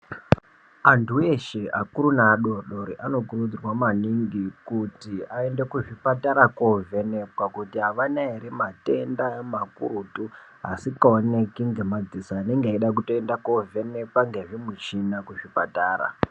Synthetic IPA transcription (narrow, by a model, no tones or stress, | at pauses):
antʰueʃe̞akuɾunaːɗo̞ɗo̞ɾiʔano̞kurud͡zirwamaniŋɡikutiae̞nde̞kuʐipataɾakovʱe̞ne̞pwakutiɦaʋanaeɾimate̞ndaemakṵɾutuɦa̰sikaone̞kiŋɡe̞mad͡zisaːne̞ŋɡeaiɗakutoendakovʱe̞ne̞pwaŋɡe̞ʐimut͡ʃinakuʐipataːra̰